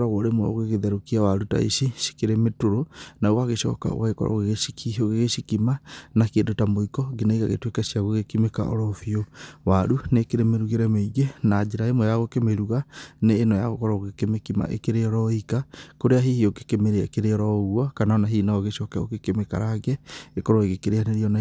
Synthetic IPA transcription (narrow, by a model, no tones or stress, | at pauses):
ɾaɣoɾemoo̰ɣeɣeðɛɾokiawaɾuta̰ḭʃiʃi̥keɾemetoɾonaowaɣeʃɔ̰ka̰o̰ɣaɣekɔ̰ɾa̰oɣeɣioɣeɣeʃikimanakedotamoikɔɣinaiɣaɣḛtwekaʃiaɣoɣekimeka̰ʔɔ̰ɾɔfiowaɾunekeɾemeɾuɣeɾɛmeiɣenad͡ʒeɾaemɔjaɣokemeɾuɣaneːnɔja̰ɣokɔɾaoɣekemekima̰ʔḛkeɾeɔɾɔikakoɾeaɦihioke̥kemeɾeaekeɾeɔɾɔɣwakanaɔnaɦiːnaɣeʃɔkɛo̰kekemeka̰ɾaɣɛekɔɾɔeɣekeɾeaneɾiɔna